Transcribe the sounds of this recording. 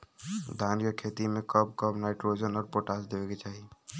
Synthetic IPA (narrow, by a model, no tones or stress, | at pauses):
d̪ʱaːnjəkʰeːt̪imẽkəb̚kəbnaːɪʈɾoːd͡ʒənɔːɾpoːʈaːsd̪eːʋeket͡ʃaːɦie